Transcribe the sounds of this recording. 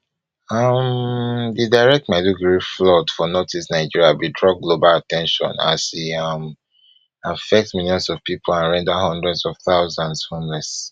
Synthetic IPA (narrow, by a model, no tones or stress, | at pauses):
ʌmdidaɪɹɛk̚tmaɪduɡɹiflɔtfɔnɔtʰisnaɪd͡ʒiɹiabidɹɔɡlobalatɛ̃nʃɔ̰̃na̰siʌm | afɛk̚tmiljɔ̃nsɔv̥pipʰolãnɹɛ̃ndahɔ̃ndɹɛdsɔv̥θaʊzãnshɔ̃ndɹɛd̥s